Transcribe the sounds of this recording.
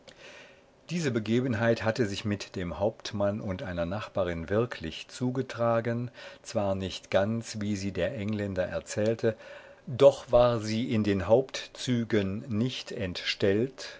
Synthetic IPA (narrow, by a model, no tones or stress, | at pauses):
d̥iːzəbəɡeːbənɦaɪthatəzɪçmɪtd̥eːmhaʊptmanʊntʔaɪnɐnaχb̥aːʁɪnvɪɐkʰlɪçt͡suːɡətʁ̥aːɡənt͡sv̥aːɐnɪçtɡ̥ant͡sviːziːdeːɐʔɛŋlɛndɐʔɛ̰ɐt͡sɛːltʰə | d̥ɔχv̥aːɐziːʔɪndeːnɦaʊptt͡syːɡənːɪçtɛntʃtɛlt